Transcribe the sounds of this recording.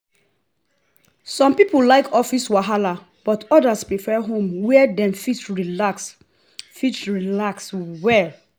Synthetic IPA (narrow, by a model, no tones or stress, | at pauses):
sɔ̃mpipollaɪkɔfiswaɦala | b̥ɔtɔdaspɹifɛɦõmwɛdɛ̃mfitɹilaks | fitɹilakswɛ